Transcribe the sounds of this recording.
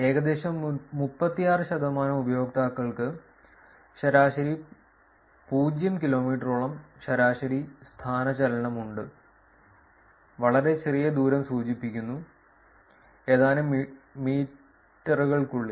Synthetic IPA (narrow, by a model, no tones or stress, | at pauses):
e̞ːɣɐd̪e̞ːɕɐmːupːɐt̪ːijaːrɨɕɐd̪ɐmaːnɐmubɐjo̞ːkt̪aːkːɐɭkɨ | ɕɐɾaːɕɐɾi | puːd͡ʑjɐmkilo̞ːmiːʈːruɭɐmɕɐɾaːɕɐɾist̪ʰaːnɐt͡ɕɐlɐɳɐmuɳɖɨ | ʋɐɭɐɾe̞t͡ɕerijɐd̪uːɾɐmsuːt͡ɕipːikʲːunːu | e̞ːðaːnɨmiːʈː | ɐrɣɐɭkuɭːi